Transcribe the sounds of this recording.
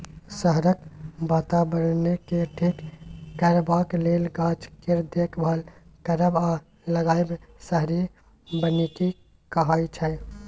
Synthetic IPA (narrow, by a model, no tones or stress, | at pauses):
səɦɾək̚baːt̪abəɾnekeʈʰeːkːəɾbaːkleːlɡaːt͡ʃkeɾd̪ekbʱalkəɾəba | ləɡaːjbesəɦɾi | bəneki | kəɦaːit͡ʃʰɛ